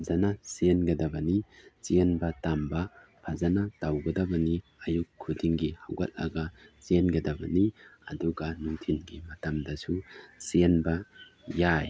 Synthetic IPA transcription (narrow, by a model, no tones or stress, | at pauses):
zɐnasenɡɐdɐbɐnit͡ʃienbɐtambɐpʰɐzɐnatawɡɐdɐbɐni | ɐjukʰːudiŋɡihaɡɐ̰t̚la̰ɡat͡ʃenɡɐdɐbɐ̰niɐduɡanuŋtʰinɡimɐtɐmdɐsusienbɐ | jaj